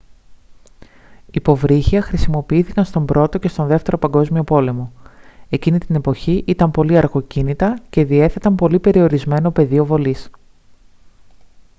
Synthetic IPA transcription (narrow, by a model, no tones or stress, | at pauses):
ipo̞vɾiçiɐxɾisimo̞piiθikɐnst̪o̞mbɾo̞t̪o̞ce̞st̪o̞nðe̞ft̪e̞ɾo̞pɐŋɡo̞zmio̞po̞le̞mo̞e̞cinit̪ine̞poçiʔit̪ɐmpo̞liɐɾɣo̞cinit̪ɐce̞ðie̞θe̞t̪ɐmpo̞lipe̞ɾio̞ɾizme̞no̞pe̞ðio̞vo̞lis